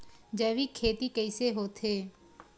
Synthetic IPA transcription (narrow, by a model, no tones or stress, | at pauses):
d͡ʒəːʋikʰːeːt̪ikəɪseɦoːt̪ʰɦeː